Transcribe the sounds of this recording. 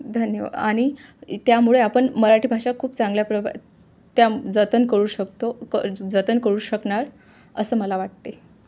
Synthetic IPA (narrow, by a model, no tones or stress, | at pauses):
d̪ʱənjə̰aɽ̃it̪jamuɭeapəɳməɾaʈʰiːbʱaʂakʰuːpt͡sãŋɡljapɾəʋa̰ | t̪jad͡zət̪ənkəɾuːɕəkt̪okəd͡zət̪ənkəɾuːɕəkɳaɾ | əsəːməlaʋaʈ̚t̪e